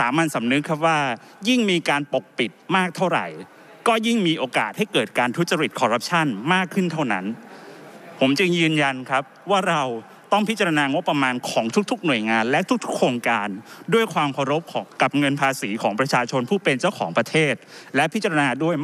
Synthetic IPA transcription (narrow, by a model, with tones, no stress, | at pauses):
saː˩˦ma˧nsa˩˦mnɯ˦˥kʰːa˦˥p̚waː˥˩ | ji˥˩ŋmiː˧kaː˧npo˨˩k̚pi˨˩t̪̚maː˥˩k̚t̪ʰa˥˩wɾa̰˨˩j | kɔː˥˩ji˥˩ŋmiː˧ʔoː˧ka̰ː˨˩t̪̚ha˥˩jkɤː˨˩t̪̚kaː˧nt̪ʰu˦˥t̪̚t͡ɕa˧ɾi˨˩t̪̚kʰɔː˧ɾa˦˥p̚t͡ɕʰa˥˩nmaː˥˩kʰːɯ˥˩nt̪ʰa˥˩wna˦˥n | pʰo˩˦mt͡ɕɯ˧ŋjɯː˧nja˧nkʰɾa˦˥p̚waː˥˩ɾa˧w | t̪ɔ˥˩ŋpʰi˥t̪̚t͡ɕa˧ɾa˧naː˧ŋo˦˥pːɾa˧maː˧nkʰɔː˩˦ŋt̪ʰu˦˥k̚t̪ʰu˦˥k̚nu˨˩əjŋaː˧nlɛ˦˥t̪ʰu˥k̚t̪ʰu˦˥kʰɾoː˧ŋkaː˧ndu˥˩əjkʰwaː˧mkʰa˧ɾo˦˥p̚kʰɔː˩˦ŋka˨˩p̚ŋɤ˧npʰaː˧siː˩˦kʰɔː˩˦ŋpɾa˧t͡ɕʰaː˧t͡ɕʰo˧npʰuː˥˩pe˧nt͡ɕa˥˩wkʰɔ̰ː˩˦ŋpɾa˧t̪ʰeː˥˩t̪̚lɛ˦˥pʰi˦˥t̪̚t͡ɕa˧ɾa˧naː˧du˥˩əj